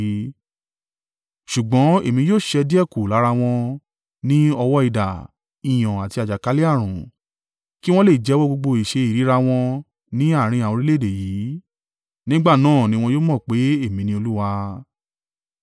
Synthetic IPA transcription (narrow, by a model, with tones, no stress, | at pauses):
ʃu˨ɡ͡bɔ̃˨˦e˦˨mĩ˧joː˦˨ʃɛ˧di˦ɛ˦˨ku˨la˨˦ɾa˧w̃ɔ̃˧ | nĩ˦ɔ˧wɔ˦i˦˨da˨ | ĩ˨j̃ɔ̃˨a˨ti˧a˨d͡ʒa˨ka˨˦li˦a˦˨ɾ̃ũ˨ | ki˦w̃ɔ̃˦le˦˨i˨d͡ʒɛ˨˦wɔ˦ɡ͡bo˧ɡ͡bo˧i˨ʃe˧i˨ɾi˨˦ɾa˧w̃ɔ̃˧ | nĩ˨˦a˦˨ɾ̃ĩ˧ã˨ɔ̃˧ɾi˦le˦˨de˨ji˨˦ | nĩ˦ɡ͡ba˦˨nãː˦˨nĩ˦w̃ɔ̃˧joː˦mɔ̃˦˨k͡pe˨˦e˦˨mĩ˧nĩ˧o˧lu˦wa˧